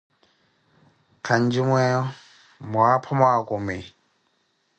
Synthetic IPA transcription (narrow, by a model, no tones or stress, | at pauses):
kʰand͡ʒimwɛ | mwapʰɔmwakʼumɪ